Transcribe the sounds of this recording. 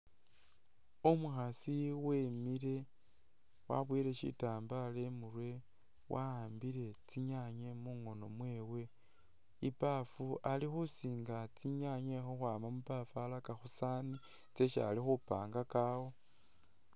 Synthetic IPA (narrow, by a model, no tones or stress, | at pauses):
omuxasiwemiɾe̞ | wa̰βwiɾe̞ʃḭtaːmbale̞murwe̞ | wʔaaːmbiɾe̞t͡siɲaɲe̞muŋo̞no̞mwe̞we̞ | ipafualixusiːŋɡat͡siɲaɲe̞xoxwaːmamupafalakaxusaːni | t͡se̞ʃa̰lixupaːŋɡakawo